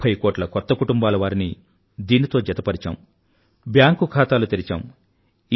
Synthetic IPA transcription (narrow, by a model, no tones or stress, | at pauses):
ɐjkoːʈlɐkɔt̪ːɐkuʈumbaːlɐʋaːɾini | d̪iːnit̪o̞ːd͡ʒɐt̪ɐpɐɾit͡ʃa̰ːm | bjaːŋkukʰaːt̪aːlut̪eɾit͡ʃa̰ːm